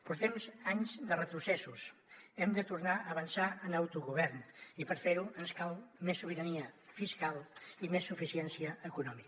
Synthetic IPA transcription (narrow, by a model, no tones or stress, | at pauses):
puɾt̪ɛmzaɲzd̪ərət̪ɾusɛsusɛmd̪ət̪uɾnaəβənsaənawt̪uɣuβɛɾnipəɾfeɾuənskalˠmesːuβ̞iɾəniəfiskalˠimesːufisɛnsiəːkunɔmik